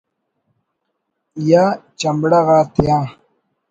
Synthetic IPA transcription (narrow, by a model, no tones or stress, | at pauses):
jaːt͡ɕɐmbɽaɣaːt̪ʰijãː